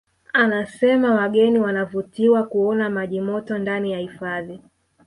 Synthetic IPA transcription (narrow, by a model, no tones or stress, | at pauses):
anasɛmawaɠɛniwanavutiwakuɔnamaʄimɔtɔndanijahifaði